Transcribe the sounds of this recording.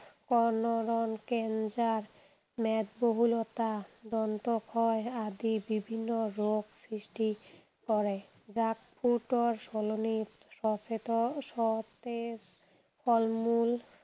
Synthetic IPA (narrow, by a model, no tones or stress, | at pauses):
kɔnoɾonkend͡ʑaɾ | mɛd̪boɦulot̪ad̪ɔnt̪okʰɔead̪ibibʱinːoɾoɡsɾiʃʈi | kɔɾe | d͡ʑakpʰuʈoɾʃɔlonit̪ | ʃɔet̪oʃɔt̪es | fɔlmul